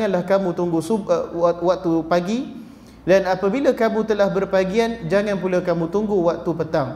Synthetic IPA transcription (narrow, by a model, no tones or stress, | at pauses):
ŋãnlahkamũt̪uŋɡusuwak̚t̪upaɡi | danapabilakamũt̪əlahbərpaɡiand͡ʒaŋãnpulakamũt̪uŋɡuwak̚t̪upət̪aŋ